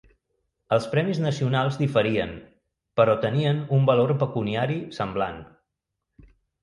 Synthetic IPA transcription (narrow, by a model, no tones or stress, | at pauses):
əlˠspɾɛmiznəsiunalˠzðifəɾiən | pəɾɔt̪əniənumbəloɾpəkuniaɾisəmblan